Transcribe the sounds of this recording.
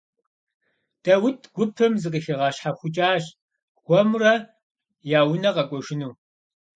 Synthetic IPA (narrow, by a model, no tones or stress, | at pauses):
d̥ɐwʊtʰɡ̥ʷʊpʰɨmzɨq̬ʼiːxɐʁɑːɕħaxʷʊt͡ʃʼaːʒ | ɡʷɔmrɐ | jaːwʊnɐqɐkʷʼɔʒɪnuː